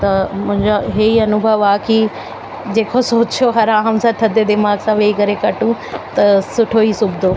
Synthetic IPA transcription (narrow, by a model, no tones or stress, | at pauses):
t̪ɐmʊ̃ɦɪ̃ɲd͡ʑoɦeiɐnʊbʱəʋaːki | d͡ʑeːkʰosoːt͡ɕjoɦɐɾaɦãmsãt̪ʰɐd̪ed̪ɪmaːɡsãʋeːikɐɾekɐʈũt̪ɐsʊʈʰoisʊbd̪o